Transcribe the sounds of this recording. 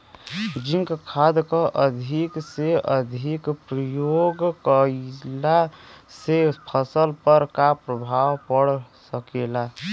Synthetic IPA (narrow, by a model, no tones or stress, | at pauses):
d͡ʒiŋkkʰad̪kəʔəd̪ʱikseʔəd̪ʱikpɾəjoɡkəlasepʰəsəlpəɾkapɾəbʱawpəɽsəkela